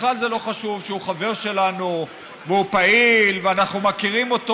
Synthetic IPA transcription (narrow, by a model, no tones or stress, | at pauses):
χlalzelo̞χaʃuvʃeuχave̞ʁʃe̞lanu | veupailveanaχnumakiʁimo̞t̪o